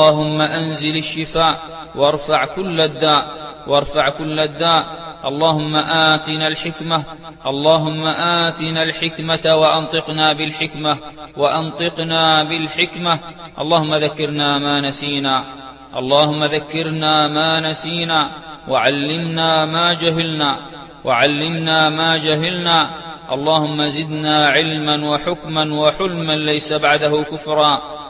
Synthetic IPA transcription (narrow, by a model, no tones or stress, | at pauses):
ɑːhʊmːaʔanzɪlaʃːɪfaːʔ | wɑɾˤfaʕkʊlːad̪ːaːʔwɑɾˤfaʕkʊlːad̪ːaːʔʔɑlˤːɑːhʊmːaʔaːt̪ɪnalħɪkmah | ʔɑlˤːɑːɦʊmːaʔaːt̪ɪnalħɪkmat̪awaʔɑnt̪ˤɨqnaːbɪlħɪkmawaʔɑnt̪ˤɨqnaːbɪlħɪkma | ʔɑ̰lˤːɑːhʊmːaðakːɪɾnaːmaːnasiːnaː | ʔɑ̰lˤːɑːhʊmːaðakːɪɾnaːmaːnasiːnaːwaʕalːɪmnaːmaːd͡ʒaɦalnaː | wʔaʕalːɪmnaːmaːd͡ʒaɦalnaː | ʔɑ̰lˤːɑːhʊmːazɪd̪naːʕɪlmanwaħʊkmanwaħʊlmanlajsabaʕd̪aɦʊkʊfɾˤɑː